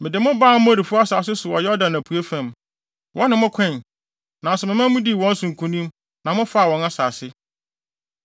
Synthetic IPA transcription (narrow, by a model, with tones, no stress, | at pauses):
mɪ̃˨dɪ˨mʊ̃˦baː˦˨˦mʊ̃˦æ˦di˨fʊ˦a˦saː˨s̬ɪ˦sʊ˨wɔ˨jɛ˦ɔ˦dã˨næ˨pʰu˨e˦fæ̃˨m | wʔɔ̃˦nɪ̃˨mʊ̃˦kʷʰɛ̃˦˨n | nã˨sɛ˨mɪ̃˨mã˦m˦mũ˦di˦˨wɔ̃˦n̩˦sʊ̃˨ŋ̩˨kʰũ˦nĩ˦m | nã˨mʊ̃˦fa˦a˨wɔ̃˨na˦saː˨sɪ˦